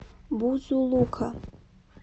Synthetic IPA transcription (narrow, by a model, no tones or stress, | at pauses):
buzulˠukʰa